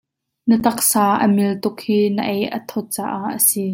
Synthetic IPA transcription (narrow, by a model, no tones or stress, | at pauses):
nət̪ɐk̚saːʔə̰mɪlt̪ʊkhiːnəʔejʔət̪ʰɔt̪̚t͡saːʔaʔʔːəsiː